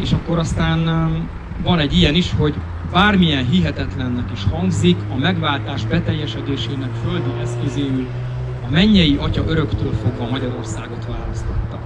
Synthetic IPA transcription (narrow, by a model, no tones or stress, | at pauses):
eːʃɒkːo̞ɾɒst̪aːn | vɒnɛɟːijɛniʃho̞ɟ | baːrmijɛnɦiɦɛt̪ɛt̪lɛnːɛkiʃhɒŋɡzikɒmɛɡʋaːlt̪aːʒbɛt̪ɛjːɛʃɛd̪eːʃeːnɛkføld̪ønɛskøzeːyl | ɒmɛɲːɛjiʔɒcɒʔøɾø̞kt̪øːlfo̞ɡʋvɒmɒɟɒɾo̞rsaːɡo̞t̪ʋaːlɒst̪o̞t̪ːɒ